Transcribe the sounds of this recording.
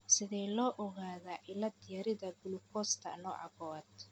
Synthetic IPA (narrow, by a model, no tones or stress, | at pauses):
sɪðɛjlɔːʔɔɣaːðaʔɪlɐd̪ɪjɐɾɪðɐɡʊlʊkʰɔst̪ʰɐ̰nɔ̰ːʕɑ̰ɣɔd̪